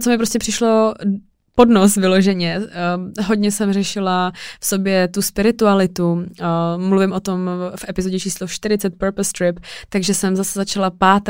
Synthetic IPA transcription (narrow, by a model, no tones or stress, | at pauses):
t͡somɪpɾo̞scʲɛpr̝̥ɪʃlo̞ | po̞dnosvɪlo̞ʒɛɲɛ | ɦoɟɲɛsɛmrɛʃɪlafso̞bjɛt̪uspɪɾɪt̪ualɪt̪u | mluvɪmʔo̞t̪o̞mfʔɛpɪzoɟɛt͡ʃiːsloʃt̪ɪɾɪt͡sɛt̪̚pɛɾpɛst̪ɾɪpt̪aɡʒɛsɛmzasɛzat͡ʃalapaːt̪